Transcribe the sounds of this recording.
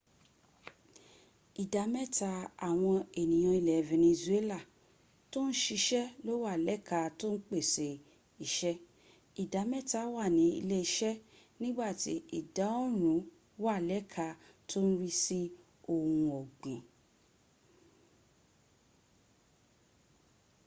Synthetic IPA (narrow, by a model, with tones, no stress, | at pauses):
i˨da˨˦mɛ˦ta˧˦a˨w̃ɔ̃˧e˨nĩ˨j̃ã˧i˨lɛ˨vɛ˨nĩ˧ze˦la˦˨ | to˦n̩˦ʃi˧ʃɛ˦lo˦wa˦˨lɛ˦kʰa˧to˦n̩˦k͡pe˦˨se˨ | i˨ʃɛ˦ | i˨da˨˦mɛ˦ta˧˦wa˦˨nĩ˨˦ḭ˧le˦i˧ʃɛ˦nĩ˦ɡ͡ba˦˨ti˨˦i˦˨da˨˦o˦ɾ̃ũ˨˦ | wa˦˨lɛ˦kʰa˧˦to˦n̩˦ɾi˦si˦ | o˦˨hũ˧ɔ˨ɡũ˨